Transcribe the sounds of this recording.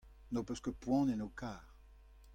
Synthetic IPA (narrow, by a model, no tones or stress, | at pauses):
nopøskəpwɔ̃nenokaːʁ